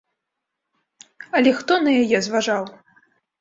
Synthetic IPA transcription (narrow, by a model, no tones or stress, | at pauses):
ɐlʲɛxt̪ɔnɐjajɛzvaʐaw